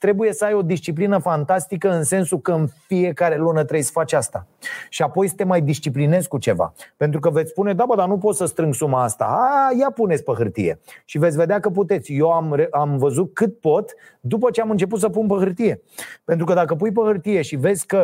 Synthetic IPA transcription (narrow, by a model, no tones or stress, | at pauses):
t̪ɾe̞buje̞səajo̞d̪ist͡ʃiplinəfant̪ast̪ikəɨnse̞nsukəɨnfie̞kaɾe̞lunət̪ɾejsə̥fat͡ʃʲast̪aʃiapo̞jsɨ̥t̪emajd̪ist͡ʃipline̞skut͡ʃe̞va̰pe̞nt̪ɾukəvet̪sʲspune̞d̪abəd̪anup̬o̞t̪səst̪ɾɨŋɡsumaast̪a̰ajapunetsʲpəɦɨrt̪ḭje̞̰ʃive̞t̪sʲve̞d̪eakəp̬ut̪e̞t̪sʲjewamreamvəzut̪̚kɨt̪̚po̞t̪ | d̪upət͡ʃe̞amɨnt͡ʃe̞p̬ut̪səpunpəɦɨrt̪ije̞ | pent̪ɾukəd̪akəp̬ujp̬əhɨrt̪ije̞ʃive̞zʲkə